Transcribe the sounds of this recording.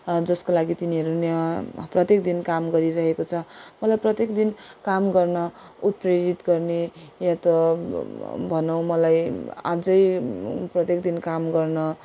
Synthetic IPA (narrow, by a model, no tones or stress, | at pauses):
d͡zʌskolaɡit̪iniɦʌɾunaprʌt̪jek̚d̪inkamɡʌɾiɾʌɦekot͡sʰʌmʌlajprʌt̪jekd̪inkamɡʌrnʌut̪̚preɾit̪ɡʌrnejat̪ʌ | bʱʌnʌw̃mʌlaja̰d͡zʌjprʌt̪jekd̪inkamɡʌrnʌ